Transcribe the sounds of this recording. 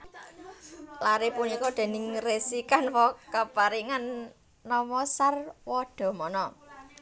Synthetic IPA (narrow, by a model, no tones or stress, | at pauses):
laɾepunikɔd̪̥e̤nɪŋresikanwɔkapaɾiŋanː | ɔmɔsarwɔɖ̪̥ɔ̤mɔnɔ